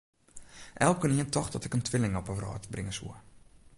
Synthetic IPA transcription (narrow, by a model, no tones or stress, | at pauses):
ʔɛlˠkəniəntʰɔxdɔtɪkəntʰʋɪlɪŋɔpəʋrɔ̰ːtbrɪŋəsṵə